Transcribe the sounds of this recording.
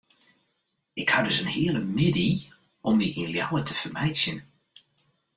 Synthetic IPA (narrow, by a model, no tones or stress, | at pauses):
ɪkhadɵsənhɪələmɪdi | ɔmiʔinljawətʰəfərmɛjsjən